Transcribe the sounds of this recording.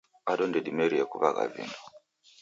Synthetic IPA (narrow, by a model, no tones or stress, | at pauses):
aɗɔndɛɗimɛɾiakuβaɣa̰vḭnɔ